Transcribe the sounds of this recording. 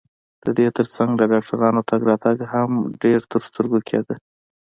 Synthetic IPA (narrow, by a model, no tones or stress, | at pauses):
d̪̥əd̪et̪əɾt͡saŋɡd̪ədɑkʈaɾɑnot̪aɡɾɑt̪aɡɦamɖeɾt̪əɾst̪əɾɡokʰḛd̪ə